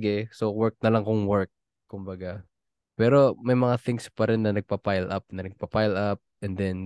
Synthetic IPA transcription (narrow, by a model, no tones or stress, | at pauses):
ɡɛsowɛɹk̚nɐlɐŋkʊŋwɛɹk̚ | kʊmbɐɡa | pɛːɾo̞mɐjmɐŋaθɪŋspɐɾɛnːɐnɐɡ̚pɐpajlʔap̚nɐnɐɡ̚pɐpajlap̚ɛnd̪ɛn